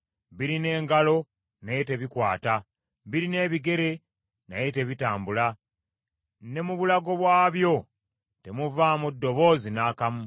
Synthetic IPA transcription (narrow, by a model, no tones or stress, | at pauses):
βiɾine̞ːŋɡalo̞ | naje̞te̞βikwaːta | βiɾine̞ːβiɡe̞ɾe̞ | na̰jete̞βitaːmbula | ne̞muβulaɡo̞βwaːβjo̞ | te̞muvamudːo̞βo̞ːzinaːkamu